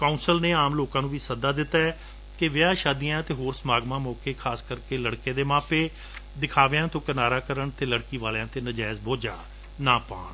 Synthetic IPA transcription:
kaːuːnsəlneːaːmloːkãːnũːʋiːsəd̪aːd̪ɪt̪ːaːɛː | kɪʋɪaːʃaːd̪ijãːt̪eːɦoːɾsəmaːɡmãːmɔːkeːkʰaːskəɾkeːləɽkeːd̪eːmãːpeː | d̪ɪkʰaːʋeãːt̪õːkənaːɾaːkəɾəɳt̪eːləɽkiːʋaːlãːt̪eːnəd͡ʒaːzboːd͡ʒaː | naːpaːn

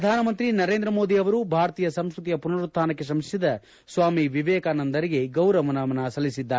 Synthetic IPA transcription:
ɐd̪ʱaːnɐmɐnt̪ɾinɐɾeːnd̪ɾɐmo̞ːd̪iɐʋɐɾubʱaːɾɐt̪iːjɐsɐmskɾut̪ijɐpunɐɾut̪ʰːaːnɐkːe̞s̬ɐmsjɐd̪ɐ | sʋaːmiʋiʋɛːkaːnɐnd̪ɐɾiɡe̞ɡɐwɾɐʋɐnɐʋɐnɐsɐlːisid̪ːaːɾe

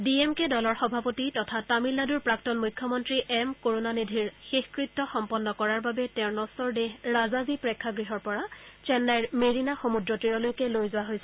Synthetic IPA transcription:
diemkedɔlɔɹxɔbʱapotitɔtʰatamilːaduɹpɹaktɔnmujkʰːjɔmɔntɹiʔɛmkoɹonanidʱiɹxexkɹittːɔxɔmpɔnːɔkɔɹaɹbabɛtɛ̃ʊɹnɔsɔɹdeɦɹazazipɹekʰːaɡɹiɦɔɹpɔɹat͡ʃɛnːajɹmeɹinaxomudɹɔtiɹɔlojkɛlojzʊwaɦojsɛ

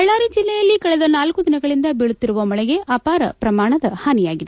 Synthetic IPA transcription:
ɐɭːaːɾid͡ʒilːɛjɐlːikɐɭɛðɐnaːlkud̪ɪnɐɡɐɭind̪ɐbɛɭut̪ːiɾuʋɐmɐɭɐjeʔɐpaːɾɐ̰pɾɐmaːɳɐd̪ɐhaːnijaːɡid̪e

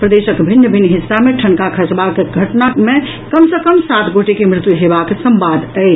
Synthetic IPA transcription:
pɾəd̪esəkbʱinjəbʱinɦisːameʈʰənkakʰət͡ʃbakːeɡʱəʈname | kəmsəkəmsat̪ʰɡoʈekemɾɪt̪juɦebaksəmbad̪ʱəɪt͡ʃ

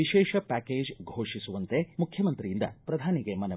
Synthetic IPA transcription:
iʃɛːʂɐpæːkeːd͡ʒɡʱoːʂisuʋɐnt̪emukʰjɐmɐnt̪ɾijind̪ɐ̰pɾɐd̪ʱaːniɡemɐnɐ

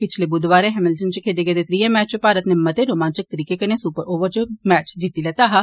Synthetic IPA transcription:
pɪt͡ʃʰlebʊd̪ʋaːɾẽɦɛmɪlʈənt͡ʃəkʰeːɖ̪eɡed̪et̪ɾiːẽmɛːt͡ʃt͡ʃpaːɾət̪nemːɐt̪eɾoːmãːnt͡ʃɪk̚t̪əɾiːkekɐnesupəɾʔoːʋəɾt͡ʃəmɛːt͡ʃd͡ʒit̪ilɛt̪aɦa

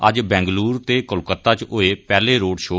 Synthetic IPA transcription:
əd͡ʒbɛ̃ːŋɡluːɾt̪eːkəlkət̪ːaːt͡ʃoːeːpɛːleːɾoːɖʃoː

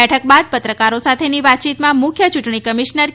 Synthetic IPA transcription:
ɛʈʰək̚bad̪̚pət̪ɾəkaɾosat̪ʰeniʋat̪̚t͡ʃit̪mãmʊkʰjət͡ʃuʈɳ̃ikəmiʃnəɾ

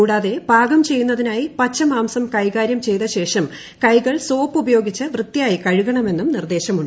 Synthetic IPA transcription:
kuːɽaːðe̞b̥ʱaːɡɐmt͡ɕe̞jːunːɐðinaːjipɐt͡ɕːɐmaːmsɐmkɐjɣaːɾjɐmt͡ɕe̞jt̪ɐɕe̞ːʂɐm | kɐjɣɐɭso̞ːpːubɐjo̞ːɡit͡ɕːɨʋrɨt̪ːijaːjikɐɻuɣɐɳɐme̞nːumnird̪e̞ːɕɐmuɳɖ

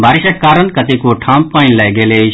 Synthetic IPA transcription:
baɾisəkkːaɾənkʌt̪ikoʈʰãmpːajnlajɡelet͡ʃʰ

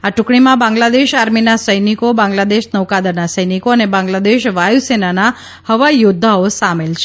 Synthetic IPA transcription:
at͡ʃʊ̃kɽ̃imãbãŋɡlad̪eʃaɾminasəjnikobãŋɡlad̪eʃnəʋkad̪ənasəjnikoənebãŋɡlad̪eʃʋajusenana | həʋaijʊd̪ʱːaosamelt͡ʃʰe

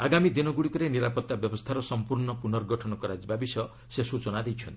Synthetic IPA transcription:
aɡamid̪inɔɡuɽikɔɾeniɾapɔt̪ːabjɔbɔst̪ʰaɾɔsɔmpuɾɳɔpunɔɾɡɔʈʰɔnɔkɔɾad͡ʒibabisɔ | sesut͡ʃɔnad̪ejt͡ʃʰɔnt̪ii

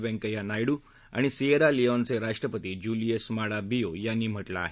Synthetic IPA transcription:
ʋɛ̃ŋkəjanajɽu | a̰ɽ̃isieɾaliɔnt͡seɾaʂʈɾəpət̪id͡ʑuliesmaɽabijojanːiːm̤əʈla̰ːɦe

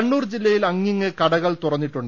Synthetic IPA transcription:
ɐɳːuːrd͡ʑilːɐjilɐŋːiŋːɨkɐɽɐɣɐɭt̪urɐnːiʈːuɳɖ

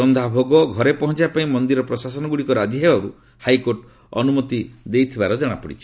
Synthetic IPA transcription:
ɔnd̪ʱabʱoɡɔɡʱɔɾepɔɦɔnt͡ʃapaĩmɔnd̪iɾɔpɾɔsasɔnɔɡuɽikɔɾad͡ʒiɦebaɾu | hajkoɾʈ | ɔ̰numɔt̪id̪ejt̪ʰibaɾɔd͡ʒɔɽ̃apɔɽḭt͡ʃʰi̥

